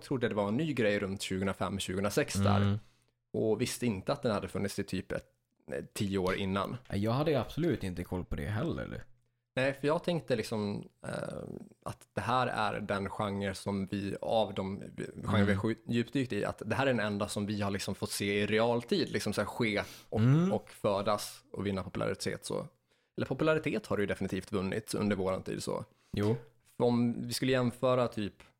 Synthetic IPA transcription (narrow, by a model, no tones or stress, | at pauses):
t̪ʰɾud̪əd̪ɛvaɛnːyːɡɾɛjɾɵnt̪ɕʉ̟ːɡəɵnɾafɛ̰mːɔɕʉ̟ɡəɵnɾasɛksd̪æ̰ːɾ | ʔɔvɪst̪əɪnt̪əat̪̚d̪ɛnhad̪ːəfɵnːɪt̪sɪt̪ʰyːpɛ̰ | t̪ʰːiːəoːɾʔɪ̰nːa̰nɛ̰jɑːɡhad̪ːəab̥sɔlʉ̟ːt̪ɪnt̪əkʰɔlːpʰɔd̪ɛ̰ɦɛlːə̰ɾ̰ | næɪfœjɑːɡt̪ʰɛŋk̚t̪əlɪksɔm | a̰t̪d̪̥ɛɦæːɾæ̰ɾɖɛnɧaŋːəɾsɔmvɪa̰vd̪ɔm̰ɧaŋːnvɪhajʉ̟ːpd̪yːk̚t̪ɪ̰a̰t̪d̪ɛɦæːɾæɖɛnɛnd̪asɔmvɪhaɭlɪksɔmfɔt̪ːseːɪɾɛɑːlt̪ʰiːd̪lɪksɔmsæɧeːʔɔɔkfœːd̪asɔvɪnːapʰɔpɵla̰ɾɪ̰t̪ʰḛːt̪sɔ̰ | ɛlːəɾpʰɔpɵlaɾɪt̪ʰeːt̪haɖɵjɵd̪ɛfɪnɪt̪ʰiːft̪vɵnːɪ̰t̪ɵ̰nd̪əɾvoːɾa̰nt̪ʰḭːd̪sɔ̰ | fɔmvɪskɵlːəjɛnːfœːɾat̪ʰyːp